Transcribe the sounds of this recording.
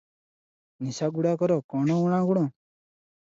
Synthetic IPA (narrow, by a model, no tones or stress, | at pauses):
nisaɡuɽakɔɾɔkɔñɔ̃uɽ̃ãɡuɽ̃ɔ̃